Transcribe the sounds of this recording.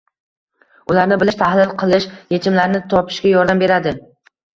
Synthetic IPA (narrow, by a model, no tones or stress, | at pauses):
ʊlaɾnɪbɪlɪʃt̪ʰahlɪlˠqʰɨlˠɪʃje̞t͡ʃʰɪmlaɾnɪt̪ʰɒpʰɪ̥ʃkʲajɒɾd̪ambe̞ɾad̪ɪ